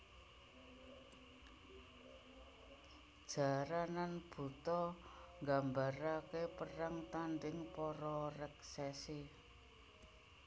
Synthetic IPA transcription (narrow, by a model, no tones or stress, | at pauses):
d̥ʒ̥a̤ɾananb̥ṳt̪ɔŋɡambaɾakepəraŋt̪anɖɪŋpɔɾɔrɛksɛsi